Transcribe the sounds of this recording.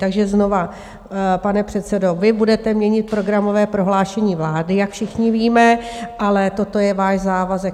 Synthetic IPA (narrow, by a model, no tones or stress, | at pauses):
t̪aɡʒɛzno̞va | panɛpr̝̥ɛt̪t͡sɛdo̞vɪbudɛt̪ɛmɲɛɲɪt̪̚pɾo̞ɡɾamo̞vɛːpɾo̞ɦlaːʃɛɲiːvlaːdɪjakfʃɪxɲɪviːmɛʔalɛt̪o̞t̪o̞jɛvaːʃzaːvazɛk